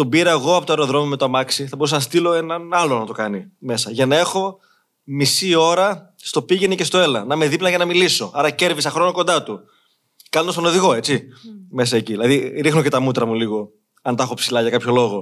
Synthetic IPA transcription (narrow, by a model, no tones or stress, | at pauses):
t̪o̞biɾeɣo̞ɐpo̞t̪oɐeɾo̞ðɾo̞momet̪oɐmɐksiθɐbo̞ɾusɐnɐst̪ilo̞e̞nɐnɐlo̞nɐt̪o̞kɐnime̞sɐʝɐnɐe̞xo̞ | misio̞ɾɐ | st̪o̞piʝenice̞st̪o̞e̞lɐnɐme̞ðiplɐʝɐnɐmiliso̞ɐɾɐce̞ɾvisɐxɾo̞noko̞nd̪ɐt̪u | kɐlond̪ɐst̪ono̞ðiɣo̞e̞t͡sime̞sɐe̞ciðilɐðiɾixnoce̞t̪ɐmut̪ɾɐmuliɣo̞ | ɐnt̪ɐxo̞psilɐʝɐkɐpço̞lo̞ɣo̞